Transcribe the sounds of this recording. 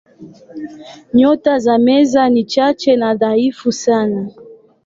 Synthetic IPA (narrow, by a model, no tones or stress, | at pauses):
ɲɔtazamɛzanit͡ʃat͡ʃɛnaðaifusana